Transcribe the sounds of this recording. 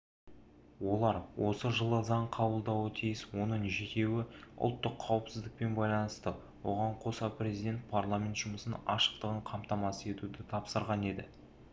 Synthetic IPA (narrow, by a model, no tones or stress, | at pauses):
wo̞lˠɑɾwo̞səʒəlˠəzɑɴqʰɑbəlˠd̪ɑwət̪ʰijɪswo̞nəɴʒe̞t̪ʲe̞wɪʊ̰lˠt̪ːəqʰːɑwəpsɪzd̪ɪk̚pe̞nbɑjlˠɑnəst̪ə | wo̞̰ʁɑɴqʰo̞sɑprʲe̞zijd̪e̞nt̪̚pʰarlˠamʲe̞nt̪ʒ̥ʊməsənɑʃə̥qt̪əʁəɴqʰɑmt̪ɑmɑsəe̞t̪ud̪ɪt̪ʰɑpsəɾʁɑne̞d̪ɪ